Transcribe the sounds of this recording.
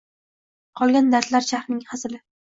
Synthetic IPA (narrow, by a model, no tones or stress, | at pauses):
qʰɒlˠɡʲand̪aɾt̪laɾʃahɾnɪŋhaslɪ